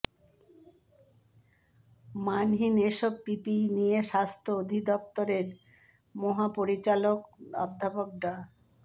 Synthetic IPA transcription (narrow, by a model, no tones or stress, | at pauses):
manɦineʃɔb̚pipinijeʃast̪ʰood̪ʱid̪ɔp̚t̪oɾeɾ | mɔɦapoɾit͡ɕalokɔ̰d̪ʱːapok̚ɖa